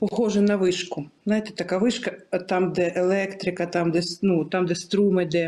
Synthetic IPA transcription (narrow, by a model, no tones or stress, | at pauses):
pɔxɔʐɛnɐʋɪʂkʊznajt̪ɛ̥t̪ɐkaʋɪʃkɐt̪amd̪ɛʔelˠɛkt̪ɾɪkɐt̪amd̪ɛsnut̪amd̪ɛst̪ɾumɪd̪ɛ